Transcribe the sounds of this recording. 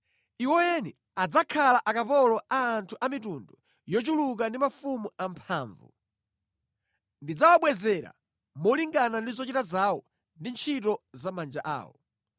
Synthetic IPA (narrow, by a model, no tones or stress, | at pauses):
iwɔjɛni | ad͡zakʰalaʔakapɔlɔʔaːntʰuʔamitundu | jɔt͡ʃuluk̬andimafumuampʰaːɱvṵ | ndid͡zawaɓwɛzɛɾa̰ | mɔliŋɡanandizɔt͡ʃitazawɔ | ndint͡ʃʰitɔzamand͡ʒaʔa̰ːwɔ̰